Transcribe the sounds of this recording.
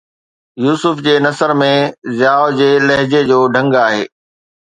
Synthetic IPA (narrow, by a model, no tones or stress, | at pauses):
juːsʊfd͡ʑeːnɐsəɾmẽzaːod͡ʑeːlɐɦɪd͡ʑed͡ʑoːɖʱɐ̃ŋɡaːɦḛː